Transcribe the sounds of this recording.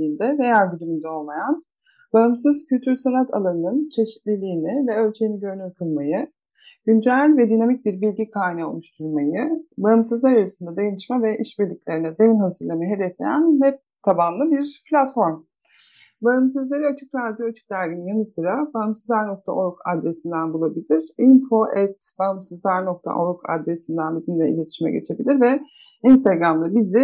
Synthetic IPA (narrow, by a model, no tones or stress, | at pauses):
iːnd̪ɛve̞jæɾʲbyd̪ymynd̪ɛo̞lˠmajan | baɦɯmsɯz̥cʰylʲt̪ʰyɾsanat̪ʰa̰lˠanɯnɯnt͡ʃʰe̞ʃi̥t̪lʲilʲiːnɪvɛø̞lʲt͡ʃʰejiniɟø̞ɾynykʰɯlˠmajɯ | ɟynd͡ʒælʲvɛd̪inamic̚biɾbilʲɟikʰaːinao̰lˠuʃt̪ʰuɾˠmajɯbaɦɯmsɯzlˠaɾaɾɯsɯnd̪ad̪ajanɯʃmavɛʔiʃbiɾlʲicʲlʲe̞ɾinɛze̞vinhazɯɾlˠamɯɦe̞d̪ɛflʲḛjæ̰nhɛp̚ | t̪ʰabamlˠɯbiɾpʰlʲat̪fo̞ɾm | baɯms̬ɯzlˠaɾɯat͡ʃʰɯkɾad̪joat͡ʃʰɯ̥k̚d̪æɾɡinijanɯsɯɾabaɯmsɯzlˠaɾno̞k̚t̪ʰa̰ʔoɾkʰa̰d̪ɾe̞sind̪ænbulˠabilʲiɾ̥imfo̞ʔɛt̪b̥aɯmsɯzlˠaɾnok̚t̪ʰa̰ʔoɾkʰa̰d̪ɾe̞sind̪ænbizinid̪ʲɛḭlʲe̞t̪ʰiʃmɛ̰ɟe̞̰t͡ʃʰe̞bilʲiɾvɛ | inst̪ʰaɡɾamd̪ˠabizɪ